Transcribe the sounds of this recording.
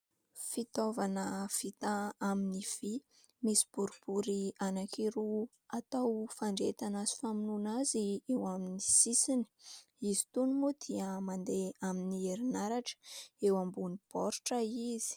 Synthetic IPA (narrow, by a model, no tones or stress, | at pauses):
fit̪ovanəv̥it̪aaminiv̥i | misi̥b̥uɾib̥uɾianakiɾu | at̪awfaɳɖ͡ʐet̪anasi̥faminunaziewaminisisini̥ | izi̥t̪unumud̪̥iəmand̪eaminieɾinaɾaʈ͡ʂə̥ewambunipɔɾʈ͡ʂaiz̥i̥